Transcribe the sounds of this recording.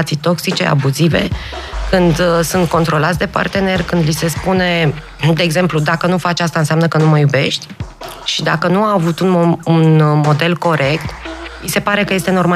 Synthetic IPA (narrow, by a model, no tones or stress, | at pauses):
t̪sijt̪o̞ksit͡ʃe̞̰a̰buzive̞̰kɨnd̪sunt̪̚ko̞nt̪ɾo̞lat̪sʲd̪e̞pa̰rt̪e̞ne̞rkɨnd̪lise̞spune̞ | d̪e̞ːɡze̞mplud̪akənufat͡ʃast̪aɨnseamnəkənuməjube̞ʃt̪ʲ | ʃid̪a̰kənuaːvut̪ununmo̞d̪e̞lko̞ɾʔe̞kt̪ise̞paɾe̞kəje̞st̪e̞no̞rma